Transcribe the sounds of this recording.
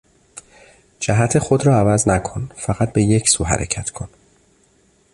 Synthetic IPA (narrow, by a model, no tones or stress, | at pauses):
d͡ʒæɦæt̪ʰe̞xod̪ɾɒːævæznækʰo̞nfæɣæt̪̚be̞je̞cʰsuːɦæ̰ɾʔḛcʰæt̪ʰkʰo̞n